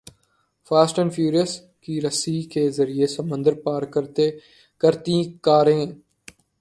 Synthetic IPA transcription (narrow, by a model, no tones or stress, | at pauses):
faːsʈə̃nfʰjuːɾijəs | kiːɾəsiːkʰeːzəɾiesəmə̃nd̪əɾpaːɾkəɾt̪e | kəɾt̪ĩːkaːɾẽː